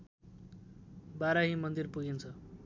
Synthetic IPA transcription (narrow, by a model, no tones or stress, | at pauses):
baɾaɦĩmʌnd̪irpuɡint͡sʰʌ